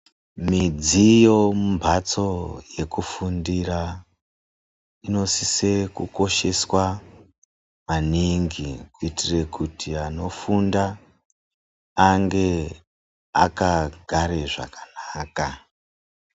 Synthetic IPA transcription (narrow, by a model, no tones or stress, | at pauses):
mid͡zijo̞mumbʱat͡so̞je̞kufundira | ino̞sisekuko̞ʃe̞swa | maniŋɡikuitire̞kutʰiano̞funda | ŋɡe̞ | a̰kaɡʱaɾe̞ʐa̰kḁnaːka